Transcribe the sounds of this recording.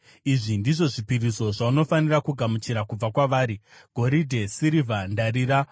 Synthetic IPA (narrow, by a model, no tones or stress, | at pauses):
iʐindiʐo̞ʐipiriso̞ʐauno̞fanirakuɡʱamut͡ʃiɾakub͡vakwaʋaːɾiɡ̥ʱo̞ɾidʱe̞siɾivandaɾiːɾa